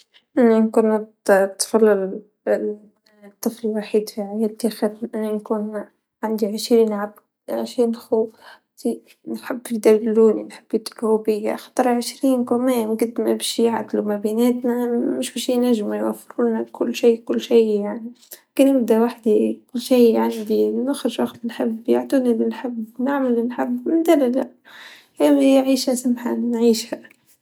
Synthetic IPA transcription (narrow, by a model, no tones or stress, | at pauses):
ʔɪnːænkuːnːɑ | t̪ːfɑlːɑl | t̪ˤːɨfliwaħiːd̪fiʕajæːlt̪exɪɾʔanːankuːn | ʕand̪iʕɪʃɾiːnʕab | ʃiːnxu | t̪i | nħɪbːɪd̪ællːuːninħɪbːjɪt̪bhubɪjːa̰xɑ̥t̪ˤɾˤʕɪʃɾiːnkæmæːmɡɪd̪mabæʃjaʕt̪lumæbiːnæːt̪næmɪʃbɪʃinæʒmujwæfːɾuːnakʰʊlːʃiːkʊlːʃiːjaʕni | kinɪbd̪awaħd̪ikʊlːʃiːʕand̪inaxɾɪʒwaqt̪ɪnħɪbjaʕt̪uːnilɪnħɪbːnaʕmalːɪnħɪbːmɪnd̪alad͡ʒa | janiʕiːʃhasamħanʕiːʃha